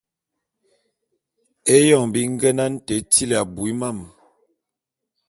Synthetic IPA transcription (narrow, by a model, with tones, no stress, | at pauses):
e˦jɔ˦˨ŋbi˦ŋ̩˦ɡə˦na˦n̩˦te˨˦ti˦li˨a˨bu˨i˦ma˦˨m